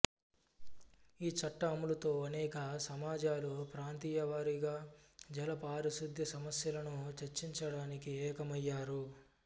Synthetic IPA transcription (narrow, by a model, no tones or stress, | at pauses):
iːt͡ʃɐʈːɐːmulɐt̪o̞ːɐnɛːkɐsɐmaːd͡ʒaːlupɾaːnt̪iːjɐʋaːɾiɡaːd͡ʒɐlɐpaːɾisud̪ʱjɐsɐmɐsjɐlɐnut͡ʃeɾt͡ʃiɲt͡ʃɐɽaːnikiɛːkɐmɐjːaːɾu